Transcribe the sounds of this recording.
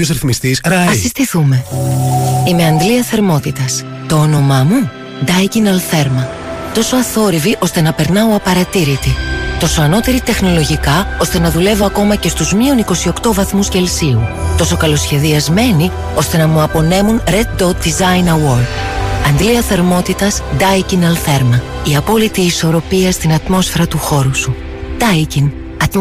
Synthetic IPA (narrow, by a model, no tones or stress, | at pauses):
osɾiθmist̪isɾɐɐsist̪iθume̞ | ime̞ɐnd̪liɐθe̞ɾmo̞t̪it̪ɐs | t̪o̞ono̞mɐmu | d̪ɐjɡinɐlθe̞ɾmɐ | t̪o̞so̞ɐθo̞ɾiviʔo̞st̪e̞nɐpe̞ɾnɐoɐpɐɾɐt̪iɾit̪it̪o̞so̞ɐno̞t̪e̞ɾit̪e̞xno̞lo̞ʝikɐo̞st̪e̞nɐðule̞vo̞ɐko̞mɐce̞st̪uzmio̞niko̞sio̞kt̪o̞vɐθmusce̞lsiut̪o̞so̞kɐlo̞sçe̞ðiɐzme̞ni | o̞st̪e̞nɐmuɐpo̞ne̞munɾe̞d̪̚d̪ot̪̚d̪izɐjnɐwo̞ɾd̪ɐnd̪liɐθɐɾmo̞t̪it̪ɐzd̪ɐjcinɐlθe̞ɾmɐiɐpo̞lit̪iːso̞ɾo̞piɐst̪inɐt̪mo̞sfe̞ɾɐt̪uxo̞ɾusu | d̪̥ɐjcin | ɐ